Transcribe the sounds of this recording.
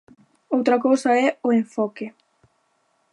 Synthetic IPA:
owt̪ɾɐkowsɐɛʊẽɱfɔkɪ

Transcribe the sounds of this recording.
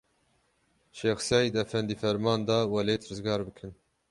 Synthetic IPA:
ʃeːxsɑːjd̪ɛfɛnd̪iːfɛɾmɑːnd̪ɑːwɑleːt̪ɾɨzɡɑːɾbɨkʰɨn

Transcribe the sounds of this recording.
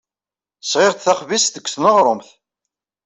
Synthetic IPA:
sʁɪʁt̪θæχvisðəkʷːθnəʁɾˤomθ

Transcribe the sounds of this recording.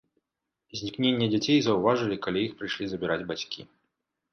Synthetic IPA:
zʲnʲiknʲenʲːɐd͡zʲat͡sʲejzɐwvaʐɨlʲikalʲijixpɾɨjʂlʲizɐbʲiɾad͡zʲbat͡sʲkʲḭ

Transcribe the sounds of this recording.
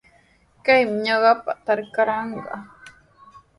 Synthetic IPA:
kajmɲaɢapaʔt̪aɾkaɾaŋɡa̰ʔ

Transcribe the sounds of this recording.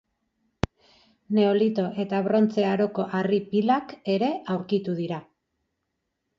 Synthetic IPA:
ne̞o̞lit̪o̞ʔe̞t̪aβɾo̞nt͡se̞aɾo̞ko̞ʔaripilake̞ɾe̞ʔawɾkit̪uð̞iɾa

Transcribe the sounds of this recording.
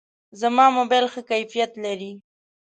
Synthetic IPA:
zamɑmobajlxəkajfijat̪laɾi

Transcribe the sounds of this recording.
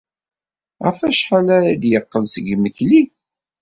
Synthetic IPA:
ʁæ̰fæʃħalæɾæd̪jəqːəlsəɡməçli

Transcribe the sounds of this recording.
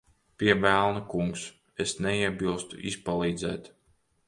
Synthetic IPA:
pʲiɛvælˠnukuŋks | esnɛiɛbilˠst̪ṵʔispalˠiːd̪zɛːt̪

